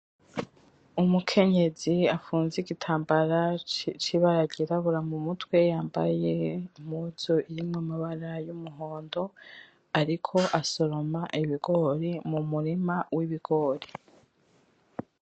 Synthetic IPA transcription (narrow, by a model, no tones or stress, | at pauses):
umukʰe̞ɲe̞ziafuːnziɡitʰaːmbaɾat͡ʃiβaɾaɟiɾaβuɾamumutwe̞jaːmba̰jemhuzoiɾimŋimiβaɾajumuɦo̞ːndo̞ | aɾikʰo̞ʔaso̞ɾo̞maʔiβiɡo̞ɾimumuɾimawʔiβiɡ̥o̞ːɾi